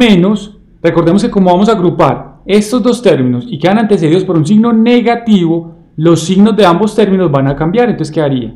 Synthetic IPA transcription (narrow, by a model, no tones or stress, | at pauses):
meno̞s | re̞ko̞ɾðe̞mo̞ske̞ko̞mo̞βamo̞s̬aɣɾupaɾe̞st̪o̞zd̪o̞st̪e̞ɾmĩno̞sike̞ðanant̪e̞s̬e̞ðiðospo̞ɾuns̬iɡno̞ne̞ɣat̪iβo̞ | lo̞sːiɡno̞zd̪e̞ambo̞st̪e̞ɾmino̞zbanakambjaɾent̪oseske̞aɾia̰